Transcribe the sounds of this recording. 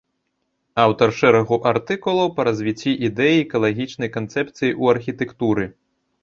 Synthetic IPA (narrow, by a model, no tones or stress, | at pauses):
awt̪ɐrʂɛɾɐɣuʔart̪ɨkulˠɐwpɐɾɐzʲvʲit͡sʲːiʔid̪ɛjikɐlˠaɣʲit͡ʂnɐjkant̪sɛp̚t̪sɨjiʔuɐrxʲit̪ɛkt̪uɾɨ